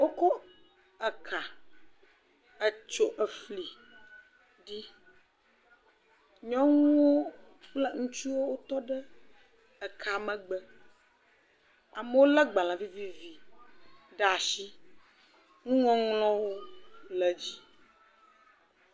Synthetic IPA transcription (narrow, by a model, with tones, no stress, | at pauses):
wo˦ko˦ | ɛ˨kʰa˨ | ə˨t͡ʃo˦ʔə˨fli˨ | ɖi˦ | ɲɔ̃˦ŋũ˦wo˦ | k͡plə˦ŋũ˦t͡ʃu˦wo˦wo˦t̪ɔ˦ɖɛ˦ | ɛ˨kʰa˨mə̃˨ɡ͡bə˦ | a˨mə˦wo˦lɛ˦ɡ͡ba˨l̃ã˨vi˦vi˦vi˨ | ɖɛ˨˦a˨ʃi˦ | ŋũ˦ŋɔ̃˦ŋlɔ̃˦wo˦lɛ˨d͡ʑi˦